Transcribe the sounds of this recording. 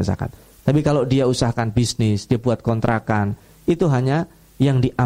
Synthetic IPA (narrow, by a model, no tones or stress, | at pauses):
za̰ka̰t̪̚ | t̪ːapikalodiausahkanbisnɪsdiabuat̪̚kɔnt̪ɾʔakan | it̪uɦaɲa | jaŋdiʔa